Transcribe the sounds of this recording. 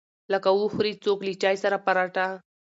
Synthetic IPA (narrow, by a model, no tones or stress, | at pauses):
lakawuxɾit͡soklit͡ʃɑjsaɾapaɾaʈa